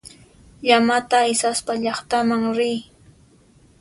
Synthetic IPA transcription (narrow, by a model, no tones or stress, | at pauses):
ʎamat̪aɪsaspaʎɑχt̪amaŋɾɪj